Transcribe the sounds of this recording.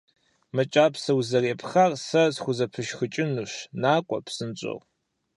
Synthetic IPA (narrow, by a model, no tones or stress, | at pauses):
mɨt͡ʃʼaːpʰsɐwzɐreːpχarsɐzχʷʊzɐpʰɨʃxɨt͡ʃʼɪnuɕnaːkʷʼɔ̰pʰsɨnt͡ʃʼɨ̰ʁ